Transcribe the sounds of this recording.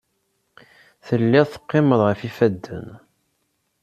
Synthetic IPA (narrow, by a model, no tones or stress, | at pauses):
θəlːɪʁθə̥qːɪməðˤʁəfifæd̪ːə̰n